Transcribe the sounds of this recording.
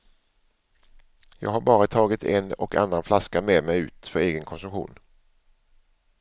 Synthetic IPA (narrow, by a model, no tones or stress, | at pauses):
jɑ̰ːɡhaɾbɑːɾat̪ʰɑːɡɪt̪ʰɛ̰nɔka̰nːanflaskameːd̪mɛjʉ̟ːt̪fœɾeːɡənkʰɔnsɵmɧṵːn